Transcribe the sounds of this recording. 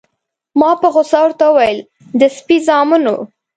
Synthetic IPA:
mɑpəɣʊsɑwɾt̪aəwajəl | d̪əspizɑmuno̰

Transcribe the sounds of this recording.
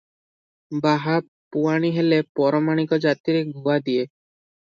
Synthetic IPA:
baɦa | puaɽ̃iɦelepɔɾɔmaɽ̃ikɔd͡ʒat̪iɾeɡʱuad̪ie

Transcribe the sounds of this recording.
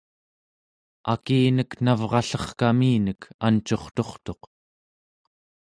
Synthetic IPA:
a̰kiːnəknavʁɑɬʌχkamiːnəkant͡ʃo̞χt̪o̞χt̪o̞q

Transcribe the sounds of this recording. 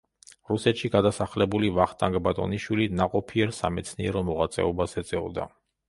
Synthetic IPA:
ɾusɛt̪ʃiɡad̪asaχlɛbulivaχt̪ʼaŋɡʼbat̪ʼɔ̰niʃwilinaqʼɔpʰiɛɾsa̰mɛt̪sʰniɛɾɔmɔʁat̪sʼɛ̰ɔbasɛd̪zʼɛɔd̪a̰

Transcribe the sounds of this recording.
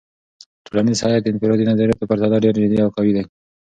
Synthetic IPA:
ʈ̪uɾanisɑjad̪ɪnfɪɾod̪inazaɾijat̪apaɾt̪ɑd̪aɖeɾd͡ʒɪd̪iawxawid̪e

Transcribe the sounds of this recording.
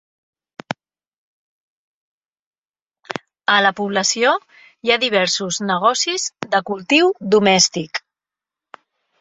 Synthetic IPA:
ələpuβləsio | jaðiβ̞ɛɾsuznəɣ̞ɔsizðəkulˠt̪iwd̪umɛst̪ik

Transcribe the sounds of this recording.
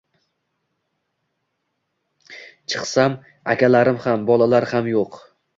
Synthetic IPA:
t͡ʃʰɨ̥qsam | a̰kʲʰalaɾɪmhambɒlˠalaɾhamjoq

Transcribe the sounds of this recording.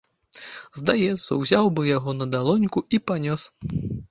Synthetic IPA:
zd̪ajɛt̪sːɐ̰wzʲawbɨjaɣɔnɐd̪alˠɔnʲkuipanʲɔs

